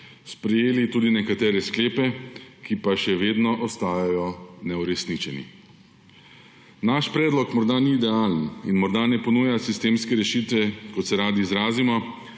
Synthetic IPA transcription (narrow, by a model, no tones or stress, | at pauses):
spɾɛjeːlit̪uːd̪inɛkat̪ɛːɾɛskleːpɛkipaʃɛʋeːd̪nɔʔɔst̪aːjajɔnɛuɾɛsnit͡ʃɛnḭ | naʃpɾɛːd̪lɔkmɔɾd̪aniːd̪ɛaːləninmɔɾd̪anɛpɔnuːjasist̪eːmskɛɾɛʃit̪ʋɛkɔt̪sɛɾaːd̪iːzɾaːzimɔ